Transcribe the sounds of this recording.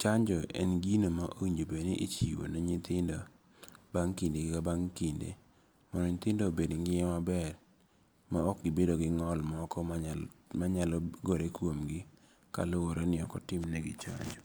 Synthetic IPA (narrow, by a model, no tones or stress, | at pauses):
t͡ʃaɲd͡ʒɔʔɛ̰nɡinomaʔowiɲd͡ʒobeneʔit͡ʃiwo̰noɲɪt̪ɪndɔ | baŋkindeɡikabaŋkindḛ | mɔnɔɲɪt̪ɪndobedŋɡɪɛmabɛr | maɔk̚ɡɪbedoɡɪŋɔlmɔkɔmamaɲalɔɡoɾekwomɡɪ | ka̰lowoɾonɪɔkɔtɪmnɛɡɪ̰t͡ʃa̰ɲd͡ʒɔ